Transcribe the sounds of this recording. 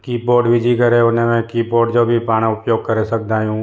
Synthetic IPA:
kiːpoːɖʋɪd͡ʒikəɾeʊnẽmɛ̃kiːpoːɖd͡ʒoːbʱipaːɽ̃aʊpjoːɡ̚kəɾesɐk̚d̪aːjũ

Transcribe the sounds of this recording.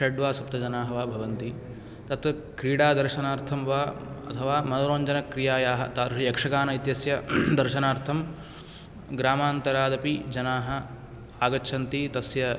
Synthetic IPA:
ʃɐɖʋaːsɐp̚t̪ɐd͡ʒɐnaːɦɐʋaːbʱɐʋɐnt̪i | t̪ɐt̪ | kɾiːɽaːd̪ɐɾʃɐnaːɾt̪ʰɐmʋaːɐ̰t̪ʰɐʋaːmɐnɐɾoːɲd͡ʒɐnɐkɾijaːjaːɦɐ̰t̪aɾɐjɐkʂɐkaːnɐit̪jɐsjɐd̪ɐɾʃɐnaːɾt̪ʰɐm | ɡɾaːmaːnt̪ɐɾaːd̪ɐpid͡ʒɐnaːɦɐ | aːɡɐt͡ʃːʃʰɐnt̪it̪ɐsjɐ

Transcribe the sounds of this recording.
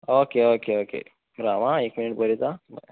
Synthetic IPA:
okeokeokḛ | ɾaʋãekminiʈbəɾit̪am̰

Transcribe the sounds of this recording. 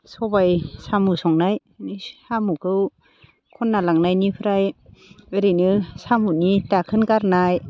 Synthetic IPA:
sɔbajsamusɔŋnaj | nisamukʰɯw | kʰɔnːalaŋnajnipʰɯɾajɯɾinɯsamunitakʰɯnɡaɾnaj

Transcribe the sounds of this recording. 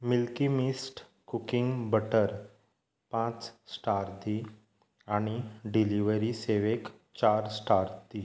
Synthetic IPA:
milkimisʈ | kukiŋɡbəʈəɾ | pãt͡ssʈaɾt̪i | aɽ̃iɖiliʋəɾiseʋek | t͡ɕaɾsʈaɾt̪i

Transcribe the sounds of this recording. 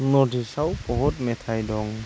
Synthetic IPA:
nɔdisawpɔɦɔt̚metʰajdɔŋ

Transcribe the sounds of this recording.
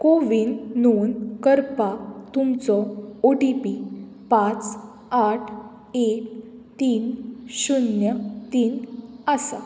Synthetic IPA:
koʋinːonkəɾpat̪umt͡sɔoɖipi | pãt͡s | aʈʰ | ek | t̪iːnɕunjət̪iːnəsa

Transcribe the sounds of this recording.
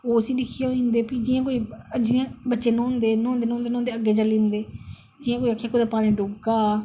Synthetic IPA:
oːsĩːdɪkʰːeoind̪eːpid͡ʒɪːãːkoːiːd͡ʒɪːãːbətːʃeːnɔ̃ːnd̪eːnɔ̃ːnd̪eːnɔ̃ːnd̪eːnɔ̃ːnd̪eːəɡːeːd͡ʒəlĩːnd̪eː | d͡ʒɪjãːkoːiakʰːjaːkoːd̪aːpaːnẽːɖoːɡɡaː

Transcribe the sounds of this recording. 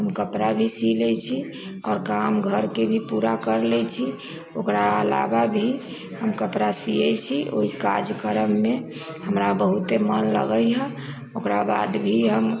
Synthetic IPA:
ɦəmkəpɾabʱisilɛt͡ʃʰi | ɔːɾkamɡʱəɾkebʱipuɾakəɾlɛt͡ʃʰi | okɾaəla̰babʱi | həmkəpɾasiɛt͡ʃʰio̰ika̰d͡ʒkəɾəmːe | həmɾabəɦut̪emənlə̰ɡəjɦɛ̃ | okɾaba̰d̪bʱiɦəm

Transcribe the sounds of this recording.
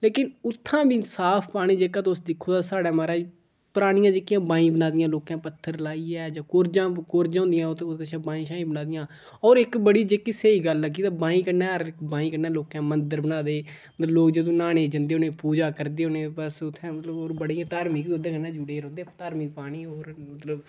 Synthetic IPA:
leːkɪnʊt̪ʰːãːbiːnsaːpʰpaːɽ̃iːd͡ʒeːkãːt̪osd̪ɪkʰːoːd̪aːsaːɽaːmaːɾaː | pəɾaːɽ̃ɪjãːd͡ʒeːkːɪjãːbãːĩːbənaːd̪ɪjãːloːkãːpət̪ʰːəɾlaːiːɛːd͡ʒãːkoɾd͡ʒãːkoːɾd͡ʒãːʊ̃ːnd̪ɪjãːəʃʰãːbaːĩːʃaːĩːbənaːd̪ɪjãː | ɔːɾɪkbəɽiːd͡ʒeːkːiːseiːɡəlːəɡiːt̪aːbãːĩːkəɾnɛːɾkbãːĩːkəɾnɛːloːkãːmənd̪əɾbənaːd̪eː | əloːkd͡ʒed̪õːnaːɽ̃eːd͡ʒənd̪eːoneːpuːd͡ʒaːkəɾd̪eːoːnẽːbəsʊt̪ʰːɛ̃ːmət̪ləboːɾbəɽiːãːt̪aːɾmiːkbiːod̪ẽːkəɾnɛ̃ːd͡ʒʊɽeːɾõːnd̪eːt̪aːɾmiːpaːɽ̃iːoːɾmət̪ləb

